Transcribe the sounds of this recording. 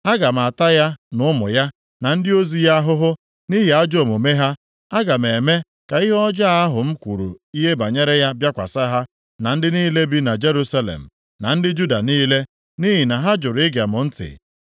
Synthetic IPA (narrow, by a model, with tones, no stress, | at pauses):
a˦ɡa˨m˨a˨ta˦ja˦nʊ˦mʊ̰˨ja˦ | na˨n̩˦dɪ˦o˦zi˨ja˦a˦ɦʊ˦ɦʊ˦ | ni˦ɦi˨a˦d͡ʒo˨mo˨me˦ɦa˦ | a˦ɡa˨m˨e˨me˦ | ka˨i˦ɦɔ˦d͡ʒa˦˨a˦ɦʊ˨m̩˦kʷu˨ɾṵ˨i˦ɦe˦ba˨ɲe˦ɾe˦ja˦bja˦kʷa̰˨sa˦ɦa˦ | na˨n̩˦dɪ˦niː˦le˦bi˦na˨d͡ʒe˦ɾu˦sa˦lḛ˨m̩˨ | na˨n̩˦dɪ˦d͡ʒu˦da˨niː˦le˦ | ni˦ɦi˨na˨ɦa˦d͡ʒʊ˨ɾɪ˦ɡa˨mʊ˨n̩˦tɪ̰˨